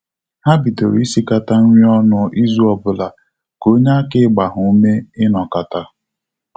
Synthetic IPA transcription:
ha˦bi˨to̰˨ɾi˦si˦ka˦ta˦ŋ̩˦ŋʷi˦ɔ˦nʊ˦i˦zu˦ɔ˨bʊ˦la˨ | ko˦ɲa˦kɪ˦ɡ͡ba˨ɦʊ˨u˦me˦ɪ˦nɔ˨ka˨ta˦

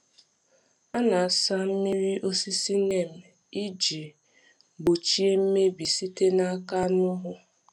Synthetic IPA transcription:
a˦na˨a˨sa˦m̩˦mi˦ɾi˦ʔo˦si˦si˦ne˦˨m̩˨ | i˦d͡ʒi˨ | bo˨t͡ʃi˦e˦m̩˦me˦bi˨si˦te˦na˦a˦ka˦nʊ˦ɦʊ˦

